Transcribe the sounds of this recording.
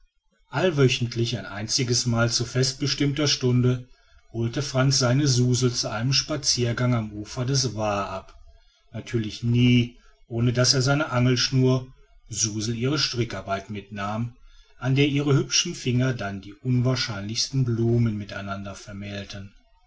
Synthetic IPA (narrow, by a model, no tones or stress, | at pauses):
ʔalvœçn̩tʰlɪçaɪnʔa̰ɪnt͡sɪɡəsmaːlt͡sufɛst̚b̥əʃtɪmtɐʃtʊndə | hoːltəfʁ̥ant͡sz̥aɪnəzuːzl̩t͡suʔaɪnəmʃpat͡siːɐɡaŋamʔuːfɐdɛs̬vaːʔap | natʰyːɐlɪçniː | ʔoːnədaseːɐzaɪnəʔaŋl̩ʃnuːɐ | zuːzl̩iːʁ̞əʃtʁ̥ɪkaɐbaɪtmɪtnaːmʔandeːɐʔiːʁ̞əhʏpʃn̩fɪŋɐdandiːʔʊnvaːɐʃaɪnlɪçstn̩bluːmənmɪta̰ɪnandɐfɛɐmɛːltʰən